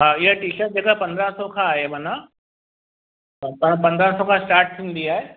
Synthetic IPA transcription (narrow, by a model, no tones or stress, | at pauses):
ɦaːɪɦaʈiːʃəʈ̚d͡ʑeːkapɐ̃nd̪ɾãsokʰãaːɦemaːna | pɐpɐ̃nd̪ɾãsokʰãsʈaːɾʈ̚t̪ʰĩːn̆d̪iaːɦe